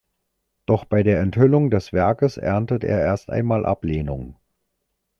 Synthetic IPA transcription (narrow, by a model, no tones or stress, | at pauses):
d̥ɔχb̥aɪdeːɐɛnthʏlʊŋdɛsv̥ɛɐkəsʔɛ̰ɐntətʔḛːɐʔeːɐstʔa̰ɪnmaːlʔa̰pleːnʊŋ